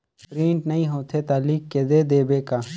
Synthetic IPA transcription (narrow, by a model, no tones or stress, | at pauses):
pɾiːɳʈnɐĩːɦoːt̪ʰeːt̪aːliːkːeːd̪eːd̪eːbeːkaː